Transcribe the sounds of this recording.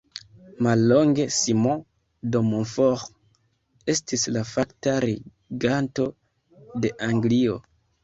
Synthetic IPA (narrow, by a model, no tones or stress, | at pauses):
malːo̞ŋɡe̞simõ | domonfoʁ | e̞stislafaktaɾi | ɡanto̞ | de̞ʔaŋɡlio̞̰